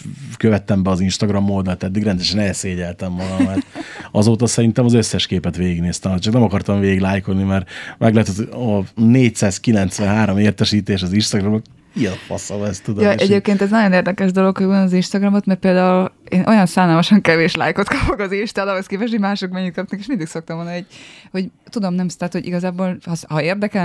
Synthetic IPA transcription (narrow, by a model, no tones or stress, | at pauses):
køvɛt̪ːɛmbɛɒzinʃt̪ɒɡrɒmːoːd̪ɒt̪ɛd̪ːiɡɾɛnd̪ɛʃɛnɛseːɟɛlt̪ɛmːɒɡɒmɛrt̪ɒzoːt̪ɒsɛɾint̪ɛmɒzøsːɛʃkeːpɛt̪ʋeːɡiɡneːst̪ɛmocːt͡ʃɒknɛmɒkɒrt̪ɒɱveːɡiɡlaːjkolnimɛrmɛɡlɛt̪ɛt̪ɒneːcsaːskilɛnt̪sʋɛnɦaːɾo̞meːrt̪ɛʃiːt̪eːʃɒzinʃt̪ɒɡrɒmo | ijɛnfɒ̰sɒvɛst̪ːud̪jɒʔɛɟeːp̚keːnt̪ɛznɒjo̞neːrd̪ɛkɛʒd̪o̞lo̞khoonɒzinʃt̪ɒɡrɒmo̞t̪mɛrpeːld̪aːuleːnʔo̞jɒnsaːnaːmɒʃɒŋkɛveːʃla̰ːjko̞t̪kɒpoɡɒzinʃt̪aːd̪ɒɦoskeːpɛʃ̬homaːʃokmɛɲːyt̪̚kɒp̚nɛkeːʃmind̪ikso̞k̚t̪ɒmvonːɛɟho̞ɟt̪ud̪o̞mnɛmt̪aːt̪hoɟḭɡɒzaːboːlhɒshɒeːrd̪ɛkɛ